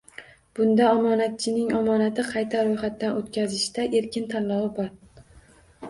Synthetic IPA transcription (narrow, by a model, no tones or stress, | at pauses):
b̥ʊnd̪aɒmɒnat̪̚t͡ʃʰɪnɪŋɒmɒnat̪ʰɪqʰɑjt̪ʰaɾojχat̪ːanot̪kʲazɪʃt̪aʔe̞ɾkʲʰɪnt̪ʰanlɒwɪbɒɾ